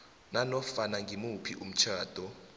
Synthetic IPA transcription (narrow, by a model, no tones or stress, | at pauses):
nanɔfanaŋɡʱimupʰiʔum̩t͡ʃʰaːd̥ʱɔ